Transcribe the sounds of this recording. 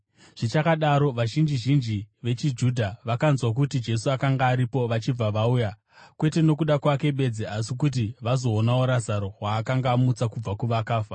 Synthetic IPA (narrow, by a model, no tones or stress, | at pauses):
ʐ̥it͡ʃakaɗaɾo̞ʋaʒind͡ʒiʒind͡ʒiʋe̞t͡ʃid͡ʒuːdʱaʋakanzwak̬utid͡ʒe̞suakaŋɡaːɾipo̞ʋat͡ʃib͡vaʋauja | kwe̞te̞no̞k̬uɗakwake̞ɓe̞d͡zeasikut̬iʋazo̞ːnaoɾazaɾo̞ɦwaːkaŋɡaːmut͡sakub͡vakuʋakaːfa